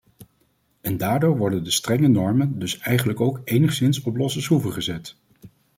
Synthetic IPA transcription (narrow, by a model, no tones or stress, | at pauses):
ɛndaːɹdoːɹʋɔɹdəndəstrɛŋənɔɹməndɵsɛjχənləkowkejnəχsɪnsɔplɔsəsɦuvəɹχəzɛt